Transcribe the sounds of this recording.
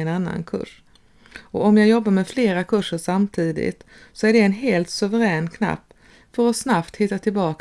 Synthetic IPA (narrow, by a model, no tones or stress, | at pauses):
ɛnanːa̰nkʰɵ̰ʂ | ɔɔmjaːɡjɔbːaɾmɛfleːɾakʰɵʂːəʂamt̪ʰiːd̪ɪ̰t̪ | sɔæɖɛːnɦeːlt̪sɵvəɾɛːnkʰna̰pː | fœɾɔsnapt̪hɪt̪ːat̪ʰɪlbɑːk